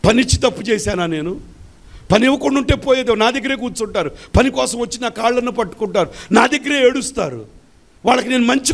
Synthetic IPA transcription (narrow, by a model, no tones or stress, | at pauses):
pɐnit͡ʃːit̪ɐpːut͡ʃɛːsaːnaːne̞ːnu | pɐniɛʋːɐkoɳɖuɳʈe̞ːpoːjeːd̪eːnaːd̪eɡːɐɾe̞ːk̬uːt͡ʃuɳʈaːɾupɐnikɔːsɐmʋɐt͡ʃːinaːkaːɭlɐnːuːpɐʈːu̥kuɳʈaːɾunaːd̪eɡːɐɾeːeɽust̪a̰ːɾṵ | ʋaːɭːɐkine̞ːnumɐɲt͡ʃi